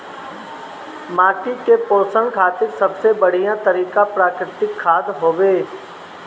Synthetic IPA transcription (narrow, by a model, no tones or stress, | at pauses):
maːʈikepoːsə̃ŋɡkʰaːt̪ɪɾsɐbsebəɽ̤ijãt̪əɾiːkapɾaːkɾɪt̪ɪkʰːaːd̪ɦoːʋeː